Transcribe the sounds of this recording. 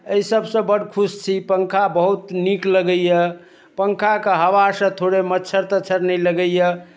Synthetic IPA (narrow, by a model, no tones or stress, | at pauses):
əisəbsə̃bəɽkʰust͡ʃʰipəŋkʰabəɦut̪nikləɡəjjə | pəŋkʰakeɦəʋasə̃t̪ʰoɽemətːt͡ʃʰəɾt̪ət͡ʃʰəɾnɛjləɡəjjə